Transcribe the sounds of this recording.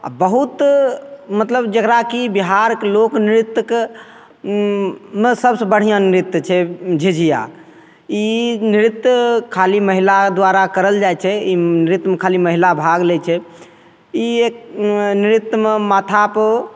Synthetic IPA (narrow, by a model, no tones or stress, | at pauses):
a̰bəɦut̪ | mət̪ləbd͡ʒəkɾakibiɦaɾkelokniɾit̪ːək | mesəbsəbəɽ̤ijãniɾit̪ːt͡ʃʰɛd͡ʒʱed͡ʒija̰ | iniɾit̪ːkʰaliməɦilad̪ʋaɾakəɾəld͡ʒajt͡ʃʰɛiniɾit̪ːmekʰaliməɦilabʱaɡlɛt͡ʃʰɛ | ieniɾit̪ːmemat̪ʰap